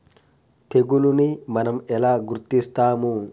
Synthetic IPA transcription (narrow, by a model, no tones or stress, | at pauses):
t̪ɛɡʊlʊnɪmɐnɐmɛlaːɡʊɾt̪ist̪aːmu